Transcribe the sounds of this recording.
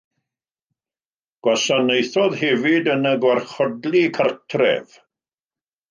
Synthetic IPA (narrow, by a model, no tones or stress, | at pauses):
ɡ̥wasanejθɔðhɛvɪdənəɡwarχɔdlˠikʰartʰrɛ̰v